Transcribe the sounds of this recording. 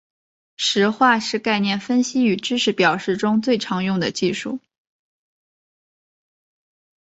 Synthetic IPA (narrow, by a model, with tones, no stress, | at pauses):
ʂɻ̩˧˥xwa˥˧ʂɻ̩˥˧ka˥˧ɪnjɛ˥˩nfə˥nɕi˥y˨˩ʈ͡ʂɻ̩˥ʂɻ̩˧˥pjɑ˨˩ʊʂɻ̩˥˩ʈ͡ʂʊ˥ŋt͡swe˥˩ɪʈ͡ʂʰɑ˧˥ŋjʊ˥˩ŋd̪ə˩t͡ɕi˥˧ʂṵ˥˩